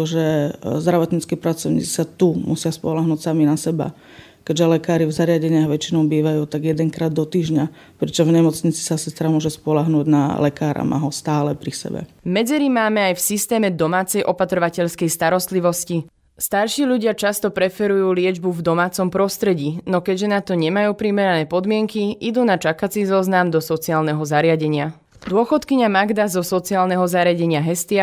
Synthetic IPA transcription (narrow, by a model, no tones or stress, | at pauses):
ʒɛzd̪ɾaʋɔt̪ɲit͡skiːpɾat͡sɔʊɲḭːt͡si̥sat̪umʔṵsɪaspɔlaɦnuːcsaminasɛba̰ | kɛɟʒɛlɛkaːɾivzaɾɪaɟɛɲɪaɣʋɛt͡ʃinɔʊbiːʋajuːt̪aɡjɛd̪ɛŋkɾaːd̪ːɔt̪iːʒɲa | pɾɛt͡ʃɔvɲɛmɔt͡sɲit͡si̥sasɛst̪ɾamʊɔʒɛspɔlaɦnuːɟna̰lɛkaːɾʔa̰mʔa̰ɦɔst̪aːlɛpɾisɛ̰bɛ̰ | mɛd͡zɛɾimaːmɛajfsist̪ɛːmɛd̪ɔmaːt͡sɛjʔɔpat̪ɾɔʋacɛʎskɛjst̪aɾɔst̪liʋɔsci | st̪aɾʃiːʎuɟɪat͡ʃast̪ɔpɾɛfɛɾujuːlɪɛd͡ʒbuvd̪ɔmaːt͡sɔmpɾɔst̪ɾɛɟiːnɔkɛɟʒɛnat̪ɔɲɛmajuːpɾimɛɾanɛːpɔd̪mɪɛŋkiʔid̪uːnat͡ʃakat͡sizɔznamd̪ɔsɔt͡siaːlnɛɦɔzaɾɪaɟɛɲɪa | d̪ʊɔxɔt̪kiɲamaɡd̪azɔsɔt͡siaːlnɛɦɔzaɾɪaɟɛɲɪaɦɛst̪ɪa